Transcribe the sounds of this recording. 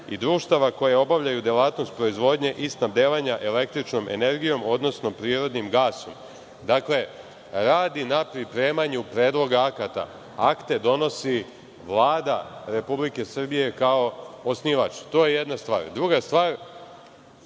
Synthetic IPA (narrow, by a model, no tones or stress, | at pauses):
ḭd̪ɾuːʃt̪aʋako̞jeo̞baʋʎajud̪jelaːt̪no̞st̪̚pɾo̞izʋo̞d̪ɲe̞ʔist̪nabd̪eːʋaɲaʔele̞kt̪ɾit͡ʃno̞mʔe̞̰ne̞ɾɡijo̞mo̞d̪no̞sno̞pɾiːɾo̞d̪nimɡaːso̞m | d̪akle̞ | ɾaːd̪inapɾipɾe̞ːmaɲupɾe̞ːd̪lˠo̞ɡaakat̪a̰ | akt̪e̞d̪o̞no̞si | ʋlˠaːd̪aɾe̞publike̞sr̩bije̞kao̞osniʋat͡ʃt̪o̞ːjejed̪nast̪ʋa̰ːɾd̪ɾuɡast̪ʋaːɾ